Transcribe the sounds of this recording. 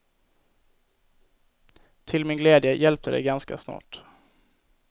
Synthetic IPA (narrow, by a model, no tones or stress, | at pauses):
t̪ʰɪlmɪnɡlɛːd̪jəjɛlp̚t̪əd̪ɛ̰jɡanska̰snɑ̰ːʈ